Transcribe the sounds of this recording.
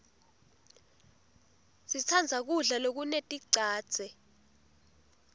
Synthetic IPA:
sit͡sʰand͡zʱak̬uɮalok̬unetʼiǀaːd̥z̥ʱɛ

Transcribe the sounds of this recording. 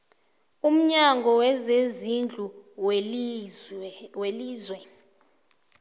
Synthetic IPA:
um̩ɲaŋɡʱɔwɛzezind͡ɮʱu | weliːzwɛ

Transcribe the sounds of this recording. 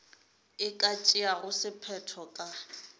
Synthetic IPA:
ɪkʼat͡ʃʼɪaɣʊsɪpʰɛtʰɔkʼa

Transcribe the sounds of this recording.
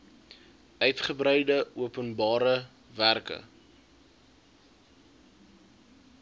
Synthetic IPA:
œɥtχəbrɛjdəuəpənbɑːɾə | værkə̰

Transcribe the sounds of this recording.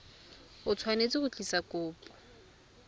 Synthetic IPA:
hʊt͡sʰwanet͡sʼɪkʊt͡ɬisakʼʊːpɔ̥

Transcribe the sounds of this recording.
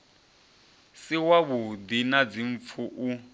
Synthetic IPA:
siwaβud̪inad͡ziɱ̩p̪fʰuʔu

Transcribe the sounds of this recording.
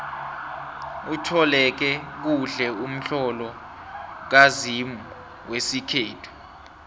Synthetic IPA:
utʰɔlɛk̬ɛk̬uɬɛum̩ɬɔlɔ | k̬azimu | wesikʰeːtʰu̥

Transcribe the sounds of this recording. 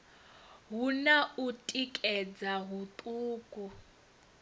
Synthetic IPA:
ɦunautʼikʼɛd͡zaɦut̪ʼuːkʼu

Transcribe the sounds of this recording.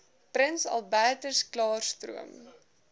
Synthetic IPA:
prənsɐ̰lˠbæːtərsklɑːrstrṵəm

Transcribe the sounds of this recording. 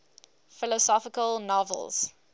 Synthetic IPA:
fɪlɔsɔfɪkəlˠnɔvə̰lˠz̥

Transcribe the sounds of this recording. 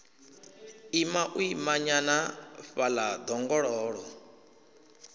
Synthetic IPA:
imaʔuimaɲanaɸalad̪ɔŋɡɔɺɔːɺɔ

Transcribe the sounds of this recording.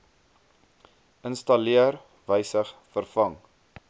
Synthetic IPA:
ənstɐliər | vəjsəχfərfɐŋ

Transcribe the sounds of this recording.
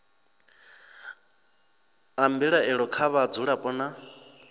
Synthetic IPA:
ambiɺaʔɛɺɔkʰaβad͡zuɺapʼɔna

